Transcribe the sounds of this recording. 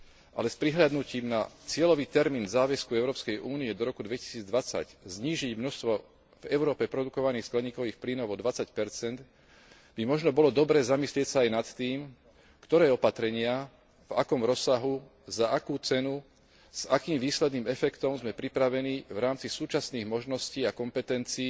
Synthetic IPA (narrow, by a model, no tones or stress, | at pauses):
ʔa̰lɛspɾiɦʎad̪nuciːmnat͡sɪɛlɔʋiːt̪ɛɾmiːnzaːʋɛskuɛʊɾɔːpskɛjʔuːniɛd̪ɔɾɔkud̪ʋɛci̥siːd͡zd̪ʋat͡sa̰ɟzɲiːʒiɟmnɔst̪ʋɔ | vɛʊɾɔːpɛpɾɔd̪ukɔʋaniːxsklɛɲiːkɔʋiːxpliːnɔʊɔd̪ʋat͡sacpɛɾt͡sɛnd̪ | bimɔʒnɔbɔlɔd̪ɔbɾɛːzamislɪɛcsaajnat̪ːiːm | kt̪ɔɾɛːɔpat̪ɾɛɲɪa | vakɔmɾɔsːaɦu | zaʔakuːt͡sɛnu | z̥akiːmʋiːslɛd̪niːmɛfɛkt̪ɔmzmɛpɾipɾaʋɛniːvɾaːmt͡sisuːt͡ʃasniːɣmɔʒnɔsciːakɔmpɛt̪ɛnt͡siː